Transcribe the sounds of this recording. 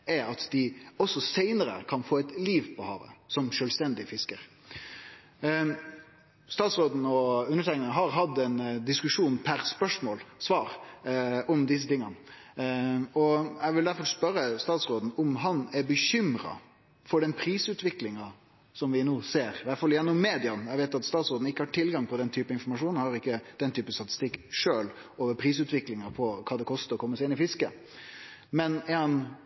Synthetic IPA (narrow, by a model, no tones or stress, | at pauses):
ɛɾɑt̪d̪ɪɔsːɔsæɪnəɾə̰kʰɑnfoːɛt̪liːʋpʰɔhɑ̰ːʋə̰sɔmʂœːlst̪ɛnd̪ɪfɪskəɾ | st̪ɑːt̪sɾoːd̪n̩ɔʉnːəʈʰæɪknəɦɑɾɦɑd̪ɛnd̪ɪskʉʂuːnpʰæɾspœʂmoːlsʋɑːɾ | ɔmd̪ɪs̬ət̪ɪŋːən | ɔɛɡʋɪld̪æɾfɔɾspœɾːəst̪ɑːt̪sɾoːd̪n̩ʊmɦɑnɛbəçʏmɾɑ̰ | fɔɖɛnpʰɾiːsʉːt̪ʋɪklɪŋɑ | sɔmʋɪnoːseːɾʋæʈfɑlɪjɛnːʊmːeːd̪ɪɑnjɛɡʋeɪt̪ɑt̪st̪ɑːt̪sɾoːd̪n̩ɪkːəhɑʈʰɪlɡɑŋpʰɔd̪ɛnt̪ʰyːpəɪnfɔɾmɑʂuːnhɑɾɪkːəd̪̥ɛnt̪ʰyːpəst̪ɑt̪ɪ̥st̪ɪkːʂøːloːʋəɾpʰɾiːs̬ʉːt̪ʋɪklɪŋɑpʰɔkʰɑːd̪ɛkʰɔst̪əɾɔkʰɔmːəsɛɪɪnɪfɪskə | mɛnɛhɑn